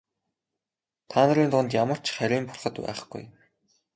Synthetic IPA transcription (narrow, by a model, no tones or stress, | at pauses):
t̪ʰaːnə̆ɾiːnt̪ʊnt̪jamə̆r̥t͡ɕχæɾʲiːmpʊrχə̆t̪pæ̰ːχ̆ɡ̥ṵj